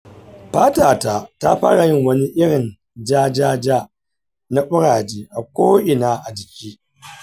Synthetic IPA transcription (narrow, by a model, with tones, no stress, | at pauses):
ɸaː˦taː˨ta˨ta̰˦ɸa̰ː˦ɽa˨jɪ˦ŋwɐ˦ni˦ʔɪ˦ɽɪ˨n | d͡ʒaː˦d͡ʒaː˦d͡ʒaː˦ | na˦ɓʊ˦ɽaː˨d͡ʒiː˦ʔa˨kʷoː˦ʔɪ˨naː˦ʔa˨d͡ʒɪ˨kʲiː˦